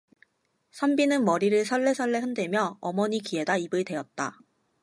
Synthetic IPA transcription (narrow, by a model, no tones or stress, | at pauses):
sʰʌmbinɯnmʌɾiɾɯɭsʰʌɭːe̞sʰʌɭːe̞hɯndwemjʌʌmʌɲikie̞daibɯɭdwe̞jʌt̚t͈a